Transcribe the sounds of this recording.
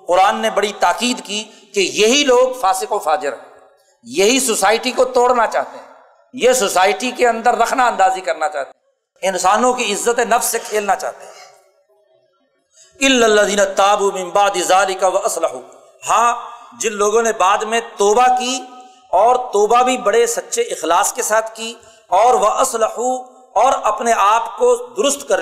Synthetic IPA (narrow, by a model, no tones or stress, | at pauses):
qʊɾaːnːebɐɽit̪aːqiːd̪ki | kejɐɦiloːɡfaːsɪqoːfaːd͡ʒɪɾɛ | jɐɦisosaːɪʈikot̪oːɽnat͡ʃa̰ːɦt̪eɦɛ̃ | jesosaːɪʈikeɐ̃nd̪əɾːɐkʰnaɐ̃nd̪aːzikɐɾnat͡ʃaːɦt̪e | ɪnsaːnõkiɪzːət̪enɐfsːekʰeːlnat͡ʃa̰ːɦt̪eɦɛ̃ː | ɪlːalːəðiːnat̪aːbuːmɪ̃mbaʕd̪ɪzaːlɪkawɐʔɐslɐħuː | hãːd͡ʒɪnloːɡõnebaːd̪mẽt̪oːbaki | ɔːɾt̪oːbabʱibɐɽesɐtːʃʰeɪxlaːskesaːt̪ʰki | ɔːɾʋɐʔɐslɐħu | ɔːɾɐpneaːpkod̪ʊɾʊst̪kɐɾ